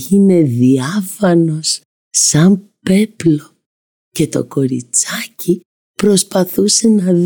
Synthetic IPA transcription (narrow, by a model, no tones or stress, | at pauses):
ine̞ðiɐfɐno̞s | sɐmpe̞plo | ce̞t̪o̞̰ko̞ɾḭt͡sɐci | pɾo̞spɐθuse̞nɐ